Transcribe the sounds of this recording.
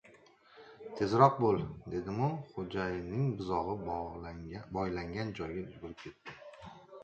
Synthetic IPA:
t̪ʰe̞zɾɒq̚bolˠd̪e̞d̪ɪmʊχod͡ʒajɪnɪŋbɪzɒʁɨ | bɒjlaŋɡʲand͡ʒɒjɡʲaʊzɡʊɾɪp̚kʲʰet̪ːɪ

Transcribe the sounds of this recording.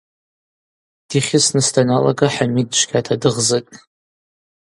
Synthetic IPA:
d̥iχʲɪsnɨstʰʼanala̰ɡaħamidt͡ʃʷɡʲatʰadɨʁzɨtʼ

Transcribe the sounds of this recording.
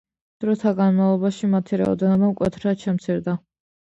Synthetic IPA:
d̪̥ɾɔt̪ʰaɡanmavlˠɔbaʃimat̪ʰiɾa̰ɔ̰d̪ɛnɔbamkʼwɛt̪ʰɾaʃɛmt̪sʰiɾd̪a

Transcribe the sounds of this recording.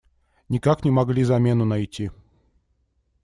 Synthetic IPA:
nʲɪkaknʲɪmɐɡlʲizɐmʲenʊnɐjtʲi

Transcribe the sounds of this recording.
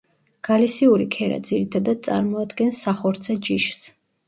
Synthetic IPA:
ɡ̥alisiuɾikʰɛɾa̰d̪ziɾit̪ʰad̪ad̪̚t̪sʼa̰ɾmɔad̪ɡɛnsːaχɔɾt̪sʰɛd͡ʒiʃs

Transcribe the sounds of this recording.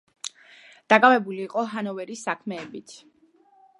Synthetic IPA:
d̪̥akʼavɛbuliːqʼɔɦanɔvɛɾisakʰmɛːbit̪ʰ

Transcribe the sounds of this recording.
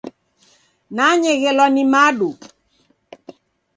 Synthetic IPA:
naɲɛɣɛlwanimaɗu

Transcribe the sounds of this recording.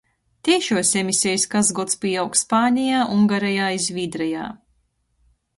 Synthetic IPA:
t̪ʲɛjʃuɔsemisʲɛjskazɡɔt̪spiːawkspaːnʲijaːʔuŋɡaɾɛjaːizʲvʲiːd̪ɾɛja̰ː

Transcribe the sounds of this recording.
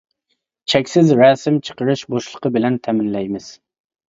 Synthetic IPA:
t͡ʃʰɛkʲsɪzɾɑːsɪmt͡ʃʰə̥qəɾɨʃboʃlˠəqʰəbɪlɛnt̪ʰɛmɪnlɛjmɪz̥

